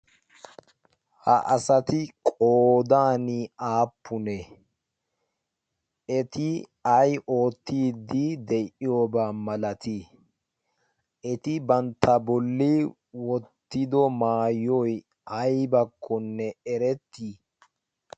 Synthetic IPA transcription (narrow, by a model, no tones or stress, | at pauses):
hɐ̰ʔɐsɐt̪ɪkʼoːd̪aːniaːpʰːʊnɛ | ɛt̪ɪ | ɐjʔo̞ːt̪ːiːd̪ːid̪ɛʔɪjoːbaːmɐlɐt̪i | ʔɛt̪ɪbɐnt̪ʰːɐbɔlːɪ | wɔt̪ːɪd̪ɔmaːjɔj | ɐjbɐkʰːɔnːɛɛɾɛt̪ːi